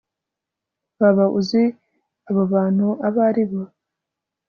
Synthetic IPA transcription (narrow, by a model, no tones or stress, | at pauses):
βaβaʔuzi | aβoβaːn̥huaβaɾiβo